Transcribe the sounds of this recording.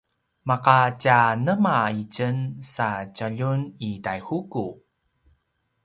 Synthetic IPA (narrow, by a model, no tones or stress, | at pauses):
maqat͡ɕanəmaicənsat͡ɕəʎunitajhuku